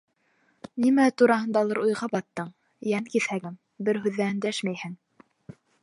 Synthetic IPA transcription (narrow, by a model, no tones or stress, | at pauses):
nimæt̪uɾɑɦɤ̆nd̪ɑlˠɤɾujʁɑbɑt̪ːɤɴ | jænkiθhæɡɘm | bɘɾɦʉðːæɘnd̪æʃmæjhɘŋ